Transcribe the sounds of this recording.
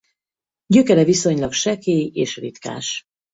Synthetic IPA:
ɟø̞kɛɾɛviso̞ɲlɒkʃɛkeːjeːʃrit̪ka̰ːʃ

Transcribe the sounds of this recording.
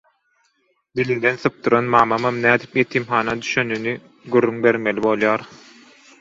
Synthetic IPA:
d̪ilind̪e̞nθɯp̚d̪uɾɑnmɑːmɑmɑmnæːd̪i̥pjet̪ʰimxɑːnɑd̪yʃønyni | ɡyrːyŋbe̞ɾmelibo̞lˠjɑːɾ

